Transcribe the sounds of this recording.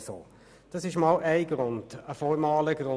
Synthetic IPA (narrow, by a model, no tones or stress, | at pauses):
so̰ː | d̥ɑsɪʃmɑːlʔæɪɡɾʊnd̥əfɔmɑːləɡɾʊ